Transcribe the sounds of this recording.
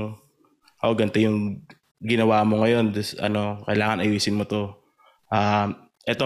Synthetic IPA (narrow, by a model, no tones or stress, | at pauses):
ŋ | ʔoɡɐnt̪ɛjʊŋ | ɡɪnɐwaːmo̞ŋɐjo̞nd̪sʔɐ̰no̞kɐjlaːŋɐnʔɐjiːsɪnmot̪o̞ | ʔaː | ʔɛt̪o